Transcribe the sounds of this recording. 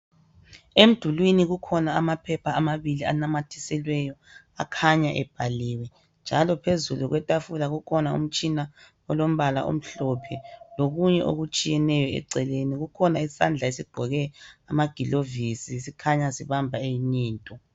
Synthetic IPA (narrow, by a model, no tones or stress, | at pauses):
em̩d̥ʱulwiniɣukʰɔnaːmapʰɛpʰaːmaβilianamatʰi̥sɛlwɛjɔ | a̰kʰaɲaʔɛb̥ʱaliwɛ | nd͡ʒʱalɔpʰezuluɣwɛtʼafulaɣukʰɔnaṵm̩t͡ʃʼina | ɔlom̩βala̰ʔo̰m̩ɬɔpʰɛloɣuɲɛʔo̰ɣut͡ʃʼijɛnɛjɔɛ̰ǀɛleniɣukʰɔnaisa̰nd͡ɮʱaesiɡ͡ǃ̥ʱɔɣɛamaɡ̥ʱilovisisikʰaɲasiβambʱaejiɲiːntʼɔ